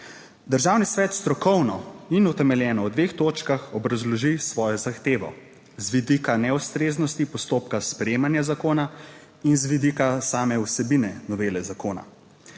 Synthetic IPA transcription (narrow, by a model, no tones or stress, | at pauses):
d̪əɾʒaːwnisʋɛːt̪st̪ɾɔkɔwnɔinɔt̪ɛmɛljɛːnɔwd̪ʋext̪oːt͡ʃkaxɔbɾazlɔʒisʋɔːjɔzaxt̪eːʋɔ̰ | zʋid̪ikanɛust̪ɾeːznɔst̪ipɔst̪oːpkaspɾɛjeːmanjazakoːna | inzʋid̪ikasaːmɛwsɛbinɛnɔʋeːlɛzakoːna̰